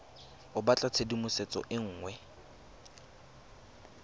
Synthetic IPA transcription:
ʊbat͡ɬʼat͡sʰedimʊset͡sʼɔ̰ʔɪŋ̩ːŋwɛ

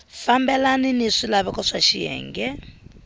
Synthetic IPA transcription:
fambɛlaniniʂilaβɛkɔʂaʃijɛ̰ːŋɡɛ

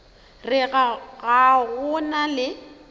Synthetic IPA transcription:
rɪɣaɣaɣʊnalɪ

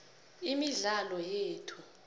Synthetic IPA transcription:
imiɮalɔjeːtʰu̥

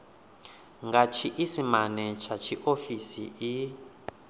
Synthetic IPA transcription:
ŋɡat͡ʃʰiʔisimanɛt͡ʃʰat͡ʃʰiʔofisḭʔi

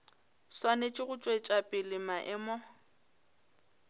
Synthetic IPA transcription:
swanet͡ʃʼɪɣʊt͡ʃʼwet͡ʃʼapʼɪlɪmaʔɛmɔ

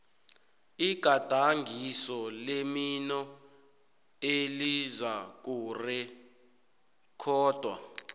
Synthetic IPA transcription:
iɡ̥ʱad̥ʱaŋɡʱisɔleminɔ | elizak̬uːrɛ | kʰɔːd̥ʱwa̰

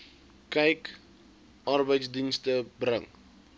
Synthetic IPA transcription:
kɛjk | ʔɐrbəjtsdinstəbɾəŋ

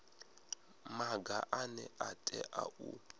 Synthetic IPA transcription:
maɡaʔanɛʔatʼɛʔaʔu

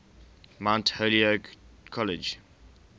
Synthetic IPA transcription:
mãntholiəkʰɔlɪd͡ʒ

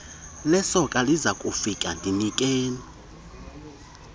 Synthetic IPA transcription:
lɛsɔkʼalizakʼufikʼa̰ndʱinikʼeːnii

